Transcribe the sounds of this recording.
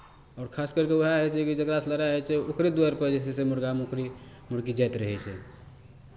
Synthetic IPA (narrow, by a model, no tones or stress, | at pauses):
ɔːɾkʰaskəɾkewəɦaɦɛt͡ʃʰɛkid͡ʒəkɾasləɾaɦɛt͡ʃʰɛokɾed̪uaɾpəd͡ʒɛsesemuɾɡamokɾimuɾkid͡ʒajt̪ɾəɦɛt͡ʃʰɛ